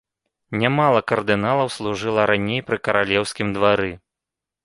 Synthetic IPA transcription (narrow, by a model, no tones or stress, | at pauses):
nʲamalˠɐkɐrd̪ɨnalˠɐwslˠuʐɨlˠɐɾanʲejpɾɨkɐɾalʲɛwsʲkʲimd̪vaɾɨ